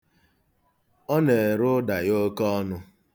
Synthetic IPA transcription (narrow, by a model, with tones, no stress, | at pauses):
ɔ˦ne˨e˨ɾʊ˦da˨jo˦kɔ˦nʊ˦